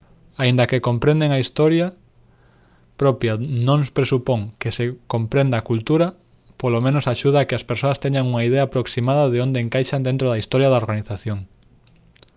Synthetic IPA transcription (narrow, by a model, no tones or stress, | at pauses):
aind̪ɐkekompɾẽnd̪eŋaist̪oɾja | pɾopjanõŋspɾesupoŋkesekompɾẽnd̪aːkult̪uɾɐ | polomẽnosaʃuð̞aːkeaspeɾsoɐst̪eɲaŋuŋaiðeaːpɾoksimaðɐðeõnd̪eːŋkajʃand̪ẽnt̪ɾoðɐist̪ɔɾjaðaoɾɣaniθaθjoŋ